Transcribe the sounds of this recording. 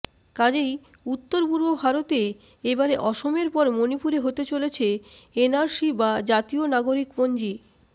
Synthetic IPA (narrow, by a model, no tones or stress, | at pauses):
kad͡ʑej | ut̪ːoɾpuɾbobʱaɾot̪e | ebaɾeʔɔʃomeɾpɔɾmonipuɾeɦot̪et͡ɕolet͡ɕʰeenaɾʃibad͡ʑat̪ionaɡoɾikbond͡ʑi